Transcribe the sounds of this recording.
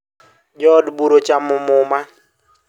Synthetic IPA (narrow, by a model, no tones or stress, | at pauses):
d͡ʒɔdbuɾot͡ʃamʊmʊma